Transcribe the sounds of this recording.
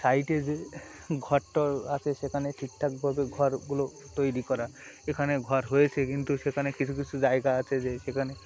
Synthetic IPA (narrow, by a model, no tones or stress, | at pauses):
sajʈed͡ʒeɡʱɔʈːɔat͡ʃʰesekʰaneʈʰik̚ʈʰak̚bʱabeɡʱɔɾɡulo | t̪ojɾikɔɾaekʰaneɡʱɔɾɦojet͡ʃʰekint̪usekʰanekit͡ʃʰukit͡ʃʰud͡ʒaeɡaːt͡ʃʰezesekʰane